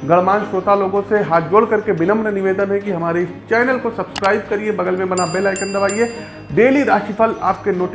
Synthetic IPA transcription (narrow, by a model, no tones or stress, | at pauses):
ɡɐɭmaːnʃoːt̪aloːɡõseɦaːt̪d͡ʒoːɽkɐɾkebɪnəmnənɪʋeːd̪ənɦɛ̃kiɦɐmaːɾeɪst͡ʃɛːnəlkosɐbskɾaːɪb̚kɐɾiebɐɡəlmẽbɐnabeːlaːɪkɐ̃nd̪ɐʋaːie | ɖeːliɾaːʃipʰəla̰ːp̚kenoːʈ